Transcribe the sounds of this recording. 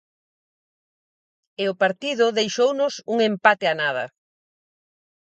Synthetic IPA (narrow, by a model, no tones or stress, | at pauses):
ɪʊpaɾt̪iðʊðejʃownʊsuŋempat̪eanað̞ɐ̰